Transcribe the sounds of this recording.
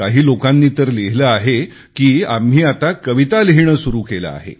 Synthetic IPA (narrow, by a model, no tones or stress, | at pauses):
aɦiːlokãnːiːt̪əɾleɦləaɦe | kiːa̰mɦiːat̪akəʋit̪aliɦiɳəsuɾuːkela̰a̰ɦḛ